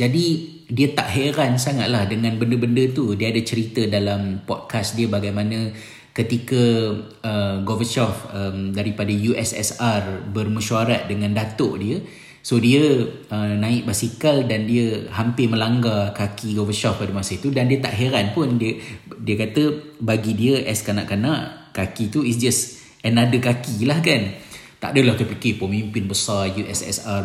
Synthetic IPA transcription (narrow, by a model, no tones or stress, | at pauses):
d͡ʒadi | diət̪a̰ʔɦeɾansaŋa̰t̪̚lahdəŋãnbəndəbəndət̪udiəadat͡ʃəɾit̪ədalampɔd̚kasdiəbaɡajmãnə̃ | kət̪ikə | əɡovəʃɔfəmdaɾipadajuʔɛsɛ̰sarbərməʃuaɾat̪̚dəŋãndat̪ʊʔdiə | sodiə | ənãɪʔ̚basikaldandiəɦampɪmə̃laŋɡakakiɡɔvəʃɔfpadəmasəit̪udandiət̪a̰ʔɦeɾanpʊndiədiəkat̪əbaɡidiəʔɛskana̰ʔkanãʔkakit̪uisd͡ʒəs | ɛnadəkakilahkan | t̪a̰ʔdəlaht̪upikepomĩumpɪnbəsarjuʔɛ̰sɛ̰sar